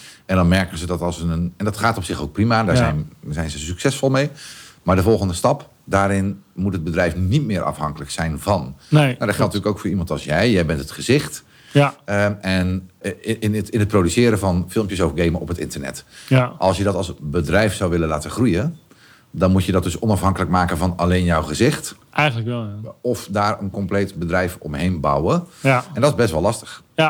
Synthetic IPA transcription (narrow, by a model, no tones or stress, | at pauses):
ɛndɔnmɛɹkənzədɔtɑsəənɛndɔtχaːtɔpsɪxo̰wk̚primandaːzɛjnzɛjnzəsyksɛsfolˠmejmaɹdəvɔlˠɣəndəstɑp | daːɾɪnmutɦəd̚bədrɛjfnitmɪːəɾʔɑ̰fhɑŋkələksɛjnvɑnowdɔtχɛlˠtntyːləkowkfoːɹimɑntɑ̰lˠsjɛjjɛjbɛntətχəzɪxt | əɛn | ɪnət̚prodysɪːəɾəvɔnfɪlˠmpjəsofɡeːməʔɔpətɪ̰ntərnɛ̰tʔɑlˠsjədɔtɑlˠsbədrɛjfsawʋɪləlaːtəχrujə | dɔnmutjədɔt̚døsɔnɑfɦɑŋkələkmaːkəvɔnaleːnjɔwχəzɪxt | ʔɛjnləɛɔfdaːrənkɔmpleːtbədrɛjfɔ̰mɦejnba̰wəɛndɔtɪzbɛstʋɔlˠɑstə̥x